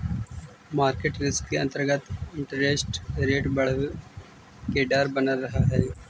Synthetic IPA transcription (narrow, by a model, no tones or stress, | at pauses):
maːɾkeːʈɾɪskkeɐ̃nt̪əɾɡət̪ɪ̃ɳʈəɾesʈɾeːʈbɐɽ̤əʋ | keɖaːɾbɐnaɾɐɦaɦɛː